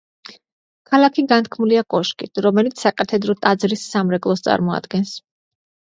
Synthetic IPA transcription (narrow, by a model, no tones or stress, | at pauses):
kʰalˠakʰiɡant̪̚kʰmuliakʼɔʃkʼit̪ʰɾɔmɛlit̪sʰsakʼat̪ʰɛd̪ɾɔt̪ʼad̪zɾisːamɾɛkʼlˠɔst̪sʼa̰ɾmɔa̰d̪̥ɡɛns